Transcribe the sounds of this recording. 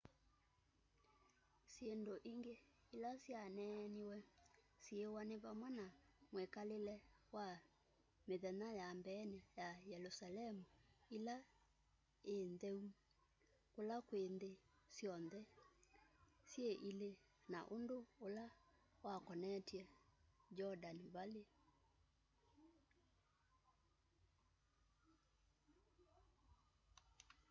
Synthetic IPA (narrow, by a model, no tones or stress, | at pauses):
sjendoʔiŋɡe | ilasjanɛnewɛ | sjewaneβamwɛnamwekalelɛwa | meðɛnajambɛːnɛjajɛlosalɛmuila | enðɛu | kolakwende | sjɔnðɛ | sjeʔile | na̰ʔondoolawakɔnɛtjɛd͡ʒɔdanbale